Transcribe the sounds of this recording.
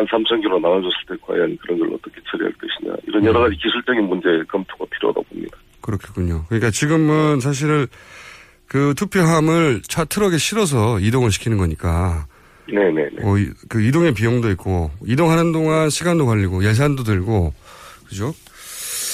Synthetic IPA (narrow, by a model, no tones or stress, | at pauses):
ansʰamt͡ɕʰʌnɡoɾonaad͡ʑʌs͈ʰɯɭt͈e̞kwa̰jankɯɾʌnɡʌɾ̰ɭʌt͈ʌkʰe̞̥t͡ɕʰʌɾiɦa̰ɭk͈ʌɕʰiɲa̰ḭɾʌnjʌɾʌɣad͡ʑikisʰuɭt͡ɕ͈ʌɡinmund͡ʑe̞kʌmtʰoɡapʰiɾjo̰da̰bomɲida | kɯɾʌkʰi̥k͈uɲokɯɲik͈at͡ɕiɡɯmɯns̬ʰaɕ̬ʰiɾɭ | kɯtʰupʰjoɦamɯɭt͡ɕʰatʰɯɾʌɡe̞ɕʰiɾʌs̬ʰʌidoŋɯɭɕʰi̥kʰinɯnɡʌɲik͈a | ne̞ne̞̰neʌikɯidoŋe̞pijoŋdoik̚k͈oidoŋɦanɯndoŋanɕʰiɡandokaʎːiɡojes̬ʰandotɯɭɡokɯd͡ʑo